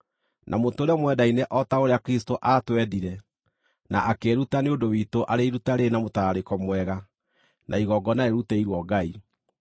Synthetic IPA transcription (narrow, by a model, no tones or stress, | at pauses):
nʔamontoːɾɔmwɛdaineʔɔtaoɾeakɾistoʔatwɛðiɾɛ | naʔakeɾutaneodowitoʔaɾeiɾutaɾenamotaɾekɔmwɛɣa | nʔa̰iɣɔɡɔnaeɾuteiɾwɔɡai